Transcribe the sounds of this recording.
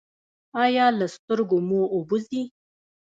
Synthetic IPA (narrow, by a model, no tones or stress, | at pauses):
ɑjɑlast̪əɾɡomoːbuzi